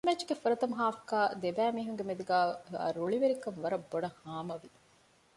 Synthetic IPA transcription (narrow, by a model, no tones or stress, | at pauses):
met͡ʃːɡefuɾɐt̪ɐmuɦaːfukaːd̪ebæːmiːɦuŋɡemed̪uɡæ̰ːɾoɭiʋeɾikɐnʋɐɾɐbːoɖɐhaːmɐʋi